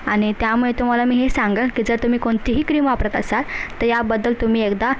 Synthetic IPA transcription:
aɽ̃it̪jamuɭet̪um̤alamiːɦesaŋɡəkiːd͡zəɾt̪um̤iːkoɳt̪iɦiːkɾiːmʋapɾat̪əsat̪ːəɾjabəd̪ːəlt̪um̤iːekd̪a

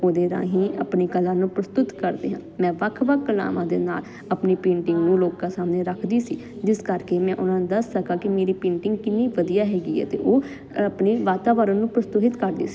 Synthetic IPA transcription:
oːd̪eːɾã̰ːɦĩːəpniːkəlãːnũːpɾəst̪ʊt̪kəɾd̪ḛːɦãːmɛ̃ːʋəkʰːʋəkʰːəla̰ːʋãːd̪ḛːna̰ːl | əpniːpẽːɳʈɪŋɡnũːloːkãːsaːmneːɾəkʰd̪iːsiːd͡ʒɪskəɾkeːmɛ̃ːʔʊnãːñːd̪əsːəkaːkɪmeːɾiːpẽːɳʈɪŋɡkɪnːiːʋəd̪ijaːɦɛːɡḭːɦɛ̰ːt̪ḛːʔoː | əpneːʋaːt̪aːʋəɾənũːpɾəst̪ʊɦɪt̪kəɾd̪ḭːsi̥ː

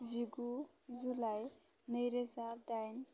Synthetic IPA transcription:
ziɡu | zulaj | nəjɾezaɖajn

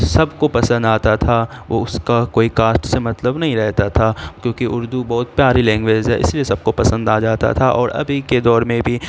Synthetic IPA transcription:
sɐbkopɐsə̃nd̪aːt̪at̪ʰaʋoʊskakoːikaːsʈsemɐt̪ləbnɐɦĩɾɛɦt̪at̪ʰakjõːkiʔʊɾd̪ubɔːʊt̪̚pjaːɾilɛ̃ːŋɡʋeːd͡ʒɦɛ̰ʔɪ̰sliesɐb̚kopɐsə̃nd̪aːd͡ʒaːt̪a̰t̪ʰaʔɔːɾɐ̰bʱiked̪ɔːɾmẽbʱi

